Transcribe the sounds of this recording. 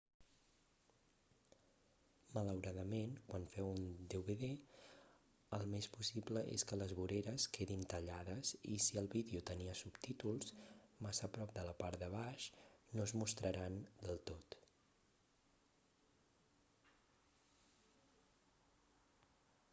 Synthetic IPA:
mələwɾaðəmenkwanfɛwund̪euβeðe | əlˠmespusipləʔḛskələzβuɾeɾəskeðint̪əʎaðəzḭsiəlˠβiðeut̪əniəsupt̪it̪ulˠsmasəpɾɔp̚d̪ələpaɾt̪d̪əβ̞aʃnozmust̪ɾəɾand̪əlˠt̪ot̪

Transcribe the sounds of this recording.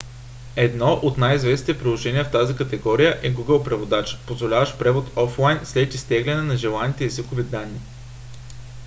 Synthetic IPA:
ɛd̪nɔʔot̪najizvɛsnit̪ɛpɾilˠoʒɛniɛft̪azikət̪ɛɡɔɾijəʔɛɡuɡəlˠpɾɛvod̪at͡ʃə̥pozvolʲavəʃpɾɛvot̪ɔflˠajnslɛt̪ist̪ɛɡlʲɐnɛnɐʒɛlˠanit̪ɛɛzikovid̪anːi

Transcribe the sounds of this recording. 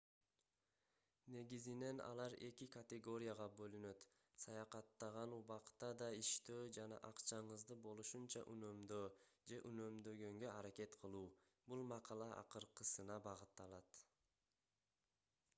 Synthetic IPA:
ne̞ɡizine̞nɑ̰lˠɑɾe̞kikat̪ʲeɡo̞ɾʲɪjaʁɑbø̞lynø̞t̪ | sɑjɑqɑt̪ːɑʁɑnuβɑqt̪ɑd̪ɑiʃt̪øːd͡ʒɑnɑ̰ʔɑqt͡ʃɑɴɯzd̪ɯbo̞lˠuʃunt͡ʃɑ̰ʔynø̞md̪øːd͡ʒe̞ʔynø̞md̪ø̞ɡø̞ŋɡø̞aɾake̞t̪qʰɯlˠuː | bulˠmɑqɑlˠɑʔɑ̰qɯɾqɯsɯnɑbɑʁɯt̪ːɑlˠɑt̪

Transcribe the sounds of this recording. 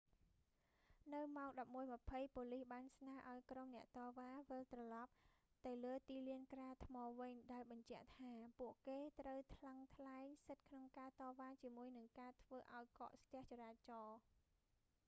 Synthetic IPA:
nɨwmaɔŋɗɑp̚muəjmə̆pʰəjpoːlihɓaːnsnaːəʔaɔjkromnɛ̆əʔt̪ɑːʋaːʋəlt̪rɑlɑp̚ | t̪ɨwləːt̪iːliənkraːt̪ʰmɑːʋɨɲɗaɛlɓɑɲt͡ɕɛ̆əʔt̪ʰaːpuəʔkeːt̪rəwt̪ʰlaŋt̪ʰlaɛŋsɨt̪̚kʰnoŋkaːt̪ɑːʋaːt͡ɕiəmuəjnɨŋkaːt̪ʰʋəːʔaɔjkɑ̰ːʔst̪ɛ̆əht͡ɕɑɾaːt͡ɕɑː

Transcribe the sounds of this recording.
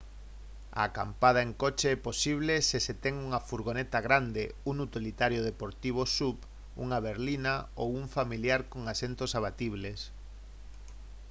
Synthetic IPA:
a̰ka̰mpað̞aeŋkot͡ʃeɛposiβ̞leseset̪ɛŋuŋafuɾɣonet̪aɣɾand̪eunut̪ilit̪aɾjoðepoɾt̪iβ̞osup | ṵŋaβeɾlinaowuɱfamiljaɾkoŋasent̪osaβ̞at̪iβles

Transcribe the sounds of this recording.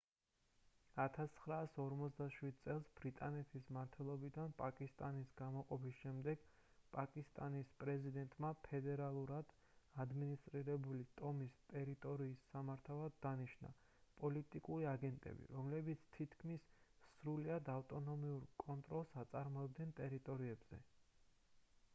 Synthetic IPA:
at̪ʰast̪ːʰχɾaːsɔɾmɔt̪sʰd̪aʃwid̪̚tsʼɛlˠsb̥ɾit̪ʼanɛt̪ʰismaɾt̪ʰwɛlˠɔbid̪anpʼakʼist̪ʼanisɡamɔqʼɔpʰisʃɛmd̪ɛɡ̥ | pʼakʼist̪ʼanispʼɾɛzid̪ɛnt̪ʼmapʰɛd̪ɛɾalˠuɾad̪̥ | ad̪minist̪ʼɾiɾɛbulit̪ʼɔmist̪ʼɛɾit̪ʼɔɾiːsːamaɾt̪ʰalˠad̪ːaniʃna̰ | pʼɔlit̪ʼikʼuɾiaɡɛnt̪ʼɛ̰bḭɾɔmlɛbit̪sʰt̪ʰit̪ʰkʰmisːɾuliad̪aft̪ʼɔnɔmiuɾkʼɔnt̪ʼɾɔlˠsat̪sʼaɾmɔɛb̚d̪nɛnt̪ʼɛɾit̪ʼɔɾiɛbz̥ɛ̰

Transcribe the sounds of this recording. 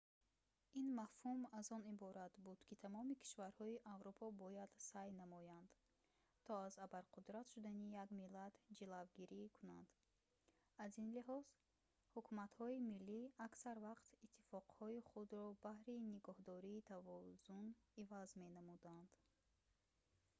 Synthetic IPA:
inmafhumazɔnibɔɾat̪bud̪̥kit̪ʰamɔmikʰi̥ʃvaɾhɔiʔavɾupʰɔbɔjad̪sajnamɔjand̪ | t̪ʰɔazabaɾqʰud̪ɾat̪ʃud̪anijaɡmilat̪d͡ʒilavɡiɾikʰuna̰nd̪̥ | azinliɦɔz̥ | hukʰumat̪hɔimilːiaksaɾvaqt̪it̪ʰːifɔqhɔiχud̪ɾɔbahɾiniɡɔhd̪ɔɾiːt̪ʰavɔzunivazme̞namud̪and̪̥

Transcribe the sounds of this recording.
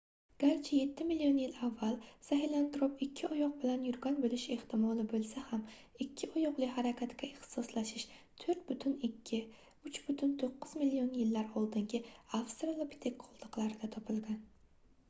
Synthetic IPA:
ɡ̥ʲaɾt͡ʃʰɪje̞t̪ʰːɪmɪlijonjɪlavːalˠsaɦɪlant̪ɾopɪkʲʰːɪɒjɒq̚bɪlanjʊɾɡʲɒnbolɪʃe̞ht̪ʰɪmɒlˠɪbolˠsaham | ɪkʲʰːɪɒjɒqlˠɪhaɾakʲʰat̪kʲaeχt̪ɪ̥sɒslaʃɪʃ | t̪ʰoɾt̪̚bt̪ʰʊnʲːɪ | ʊt͡ʃb̥ʊt̪ʰʊnt̪ʰoqːɨzmɪlːionjɪlːaɾɒlˠd̪ɪŋɡʲɪafst̪ɾalˠopi̥t̪ʰekːʰɒlˠd̪ɨqlˠaɾɪd̪at̪ʰɒpʰɪlˠɡʲan

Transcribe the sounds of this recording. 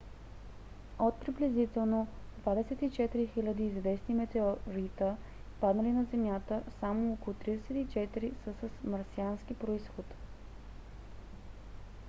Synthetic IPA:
ot̪̚pɾiblɛzit̪ɛlˠnod̪vad̪ɛsɛt̪it͡ʃɛt̪iɾixilʲəd̪iːzvɛsnimɛt̪ɛoɾit̪ə | pad̪nəlinɐzɛmjat̪əsamookolˠot̪ɾid̪ɛsɛt̪it͡ʃɛt̪iɾisəsəsmɐɾsianskipɾoisxot̪

